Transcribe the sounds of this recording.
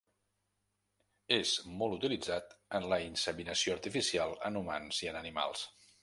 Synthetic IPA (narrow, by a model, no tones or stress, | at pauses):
ezmɔlˠt̪ut̪ilid͡zat̪ənləinsəminəsioəɾt̪ifisialˠə̰numa̰nziənənima̰lˠs